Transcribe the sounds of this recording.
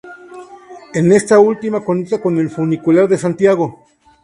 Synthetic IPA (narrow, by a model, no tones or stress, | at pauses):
enest̪ault̪imakonit͡s̪akonelfunikulaɾðesant̪jaɣo